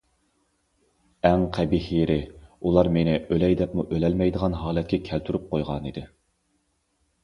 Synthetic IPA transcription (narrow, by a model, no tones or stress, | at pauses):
ɛŋqʰæbihijeɾɪulˠɑɾmenɪølɛjd̪ɛpmuʔølɛlmɛjd̪əʁɑnɦɑːlˠɛt̪̚kʲʰɛkʲʰælt̪ʰyɾyp̚qʰojʁɑnid̪ɪ